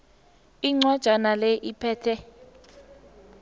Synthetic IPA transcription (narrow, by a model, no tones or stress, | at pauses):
iŋ͡ǀwad̥ʒ̥ʱanalɛʔipʰɛːtʰɛ